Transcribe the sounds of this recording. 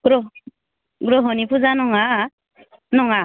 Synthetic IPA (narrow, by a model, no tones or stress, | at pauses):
ɡɾɔ | ɡɾɔɦɔnipʰuzanɔŋa | nɔŋa